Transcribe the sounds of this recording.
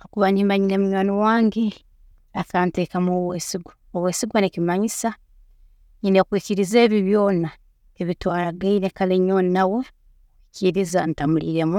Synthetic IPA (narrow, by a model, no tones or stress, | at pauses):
okuβanimaɲinemuɲanowaːŋɡe | akante̞ːkamoːweːsiɡa | oweːsiɡwanecimaɲisa | ɲinekwiciɾize̞ːβiβjo̞ːna | eβitwaːɾaɡaiɾekaleɲonawo̞ | kwiciɾizantamuliɾe̞mu